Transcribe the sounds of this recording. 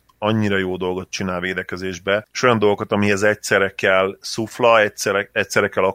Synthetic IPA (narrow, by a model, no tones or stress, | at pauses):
ɒɲːiɾɒjoːd̪o̞lɡo̞t̪̚t͡ʃinaːlveːd̪ɛkɛzeːʒbɛeʃo̞jɒnd̪o̞lɡokɒt̪ɒmiɦɛzɛcsɛrɛkɛlsuflɒɛɛɛc̚sɛrɛkɛlɒ